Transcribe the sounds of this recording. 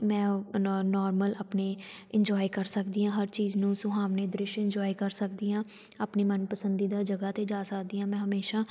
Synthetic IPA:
mɛ̃ːnɔːɾməlaːpneː | ɪɲd͡ʒɔːiːkəɾsəkd̪iːãːɦəɾt͡ʃiːznũːsʊɦaːʋneːd̪ɾɪʃɪɲd͡ʒɔːiːkəɾsəkd̪iːãː | aːpniːmənpəsənd̪iːd̪aːd͡ʒəɡaːt̪eːd͡ʒaːsəkd̪iːãːmɛ̃ːɦəmeːʃaː

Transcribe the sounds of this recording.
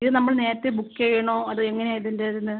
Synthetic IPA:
iðɨnɐmːɐɭne̞ːɾɐt̪ːebukːeɻijɐɳoːɐðɨeŋːɐneaːjit̪ːindeðinːɨ

